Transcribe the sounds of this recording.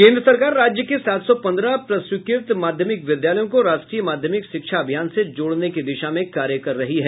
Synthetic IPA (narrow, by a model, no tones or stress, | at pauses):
kẽːnd̪ɾəsɐɾkaːɾːaːd͡ʒjəkesaːt̪ʰsɔpɐ̃nd̪ɾapɾɐswɪkɪɾt̪maːd̪ʱjəmɪkʋjɪd̪jaːləjõkoɾaːʃʈɾiːjəmaːd̪ʱjəmɪkʃɪkʃʰaɐbʱijaːnsed͡ʒoːɽnekid̪ɪʃamẽkaːɾjəkɐɾːɐɦiɦɛː